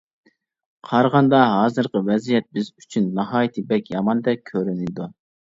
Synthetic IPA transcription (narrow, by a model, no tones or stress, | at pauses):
qʰɑɾʁɑnd̪ɑɦɑːzɨɾqəwɛzijɛt̪̚bɪzy̥t͡ʃʰynːɑɦɑːjit̪ʰɨbɛkʲjɑmɑnd̪ɛkʲʰøɾynɪd̪u